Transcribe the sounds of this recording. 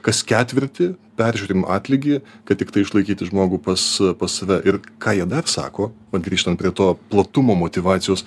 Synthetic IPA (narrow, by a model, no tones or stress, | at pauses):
kɐskʲæːt̪ʲʋʲɪɾʲt̪ʲɪpʲɛɾʲʒʲuːɾʲɪːmɑ̰ːt̪ʲlʲɪɡʲɪːkɐt̪t̪ʲɪkt̪ɐɪʃlˠɐɪkʲiːt̪ʲɪʒmoːɡuːpɐspɐssɐʋʲɛʔɪrkʰɑːjiɛd̪ɐrsɑ̰ːkoːʋɐt̪ɡɾʲiːʃt̪ɐnt̪̚pɾʲiɛt̪oːplˠɐt̪ʊmoːmoːt̪ʲɪʋɑːt̪sʲɪjoːs